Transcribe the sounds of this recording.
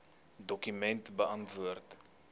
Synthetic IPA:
dɔkymɛntbəɐntvuərt

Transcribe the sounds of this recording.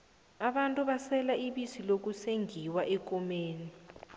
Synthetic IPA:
aɓantʼuɓasɛlaiɓisilok̬useŋʱiwaʔɛkɔmeːni

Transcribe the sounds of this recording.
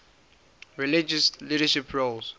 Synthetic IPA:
ɹilid͡ʒəsliɾəʃipʰɹols

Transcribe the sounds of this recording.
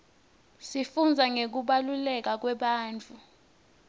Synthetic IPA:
sifund͡zʱaŋek̬uɓalulɛk̬ak̬wɛɓaːnt͡fʰʼu

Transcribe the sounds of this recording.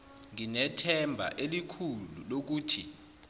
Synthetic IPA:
ŋinɛtʰɛmbʱa̰ʔelikʰululok̬uːtʰi

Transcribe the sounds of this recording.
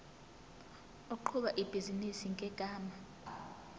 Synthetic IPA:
oǃʰuɓaʔib̥ʱizinisiŋɡʼʱɛɡ̥ʱaːma

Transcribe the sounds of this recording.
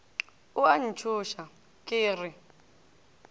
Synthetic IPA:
uan̩t͡ʃʰuʃa | kʼiːrɪ

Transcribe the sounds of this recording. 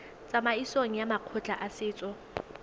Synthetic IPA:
t͡sʼamaisoŋ̩jamaq͡χʰʊt͡ɬʼaʔasɪːt͡sʼɔ

